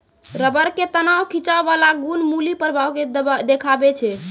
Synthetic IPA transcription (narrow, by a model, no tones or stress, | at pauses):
ɾəbəɾket̪ənawkʰit͡ʃabalaɡunmulipəɾbʱawked̪ekʰabɛt͡ʃʰɛ